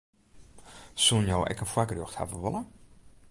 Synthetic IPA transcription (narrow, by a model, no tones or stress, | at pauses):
sulˠnjoːʔɛ̰kənfwakərjoxtha̰vəʋolˠə